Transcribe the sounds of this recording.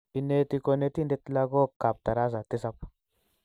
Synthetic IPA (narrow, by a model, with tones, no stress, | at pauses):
i˨nːe˦t̪i˦ko˦˧ne˦t̪i˦nde˦t̪la˦ɡo˦ka˨p̚t̪a˨ɾa˦s̬a˨t̪i˦sa˦p